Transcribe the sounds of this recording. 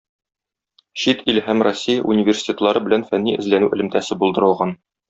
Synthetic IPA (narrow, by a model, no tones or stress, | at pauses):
ɕit̪ilɦæmrosʲːijəʔunʲivʲersʲi̥t̪ʲet̪lˠɑɾɤbɘ̆lænfænːiʔɘ̆zlænʉʔɘ̆lɘ̆mt̪æsɘbulˠd̪ɤ̆ɾɤ̆lˠʁɑn